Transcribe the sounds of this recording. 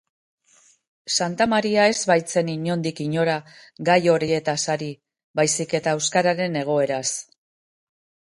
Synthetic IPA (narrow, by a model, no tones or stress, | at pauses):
sant̪amaɾiae̞zβajt͡se̞niɲo̞nd̪ikiɲo̞ɾa | ɡajo̞ɾie̞t̪asaɾi | bajsike̞t̪aewskaɾaɾe̞ne̞ɣ̞o̞e̞ɾas